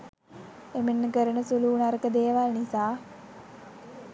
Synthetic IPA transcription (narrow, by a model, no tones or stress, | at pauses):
emenːəkəɾənəsuluːnaɾəkəd̪eːʋalnisaː